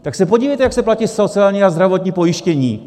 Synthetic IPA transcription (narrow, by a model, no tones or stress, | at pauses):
t̪aksɛpoɟiːvɛjt̪ɛjaksɛplacisot͡sɪaːlɲiazd̪ɾavo̞t̪ɲiːpo̞jɪʃcɛɲiː